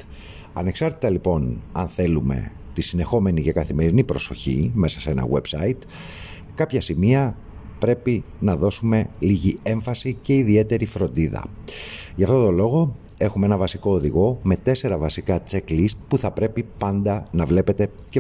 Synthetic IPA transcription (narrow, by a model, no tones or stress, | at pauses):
ɐne̞ksɐɾt̪i̥t̪ɐlipo̞nɐnθe̞lume̞̰ | t̪isine̞xo̞me̞nice̞kɐθime̞ɾinipɾo̞so̞̰çḭme̞sɐse̞nɐ̰we̞bsɐit̪ | kɐpçɐsimiɐ | pɾe̞pi | nɐðo̞sume̞liʝie̞ɱfɐsice̞iðie̞t̪e̞ɾifɾo̞nd̪iðɐ̰ʝɐft̪o̞t̪o̞lo̞ɣo̞ | e̞xumee̞nɐvɐsiko̞ːðiɣo̞me̞t̪e̞se̞ɾɐvɐsikɐt͡se̞klist̪̚puθɐpɾe̞pipɐnd̪ɐnɐvle̞pe̞t̪e̞ | ce